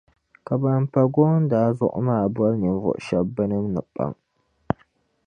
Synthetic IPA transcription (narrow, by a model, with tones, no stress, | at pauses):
ka˨ba˦˨mpa˨ɡo˦n˦daː˨˦zʊ̰˦ʔʊ˦maː˦˨bɔ˦lnɨ˨n˦vɔ̰˨ʔʃa˦bːɨ˦nɨ˦mnɨ˨pa̰˦ŋ